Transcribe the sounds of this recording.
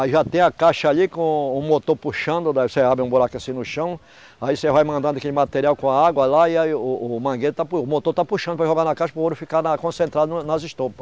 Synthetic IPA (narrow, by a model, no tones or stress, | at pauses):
aiʒat̪ẽj̃ɐkaʃɐalikõʊmot̪oɾpuʃɐ̃nd̪ʊd̪aseabɾɪũboɾakĩasĩnʊʃɐ̃w̃ | aisevajmɐ̃nd̪ɐ̃d̪ʊakelɪmat̪eɾiawkõaaɡwɐlaiaʊːmɐ̃ɡed̪ʊt̪apʊmot̪oɾt̪apuʃɐ̃nd̪ʊvaʒoɡanɐkaʃɐpɾɐot̪ɾʊfikanɐkõsẽnt̪ɾad̪ʊnnɐzɪʃt̪opɐ̥s